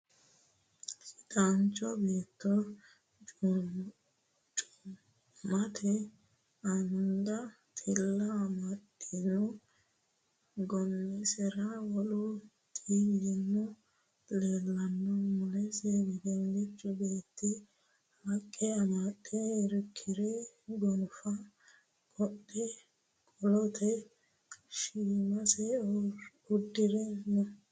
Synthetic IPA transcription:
sɪt̪ant͡ʃːɔbeːt̪ːɔ | t͡ʃʼʊ | mɐt̪ʰɛ | ɐnd̪ɐ | t̪ʼɪlːɐmɐt̪ʼːɪnɔ | ɡɔnːɛsɛɾawɔlʊ | t̪ʼiːlɪnːɔ | leːlːɐnːɔmʊlɛsebɛɡɛlːɪt͡ʃʼːʊbeːt̪ːɪ | hɐkʼːɛɐmat̪ʼːɛɾɪkʰːɪɾɛɡɔnʊfɐ | kʼɔtːɛ | kʼɔlɔt̪ʰɛ | ʃiːmɐsɛ | ʊd̪ːɪɾɛnɔ

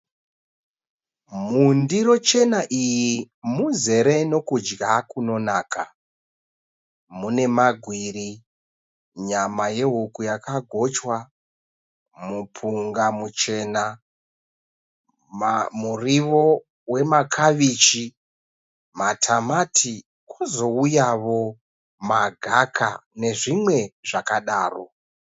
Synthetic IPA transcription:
mundiɾo̞t͡ʃe̞naʔiji | muze̞ɾe̞no̞kud͡ʒɡakuno̞naːkʰa | mune̞maɡʱwiɾi | ɲamaje̞ɦukujakaɡʱo̞t͡ʃwa | mupʰuŋɡamut͡ʃe̞na | muriʋo̞ | we̞makʰaʋit͡ʃi | matʰamatʰi | kozo̞ujaʋo̞ | maɡʱakʰa̰ne̞ʐimwe̞ʐakaɗaːro̞̰

